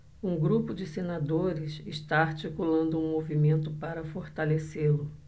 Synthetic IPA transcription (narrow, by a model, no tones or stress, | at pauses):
ũɡɾupʊd͡ʒɪsenad̪oɾɪsɪʃt̪aaɾt͡ʃikulɐ̃nd̪ʊũmovimẽnt̪ʊpaɾɐfoɾt̪aleselʊ